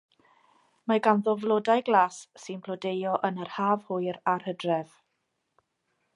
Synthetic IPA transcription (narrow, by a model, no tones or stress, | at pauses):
maɡanðɔvlˠodajɡlˠaːsːɪnpʰlɔdejɔʔənərhaːvhʊɨɾarhədrɛv̥